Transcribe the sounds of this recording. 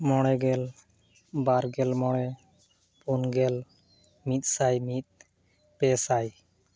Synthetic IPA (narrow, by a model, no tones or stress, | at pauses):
mɔɽ̃ɛɡɛl | baɾɡɛlmɔɽ̃ɛ | punɡɛl | mit̪̚ˀsajmit̪̚ | pɛsaj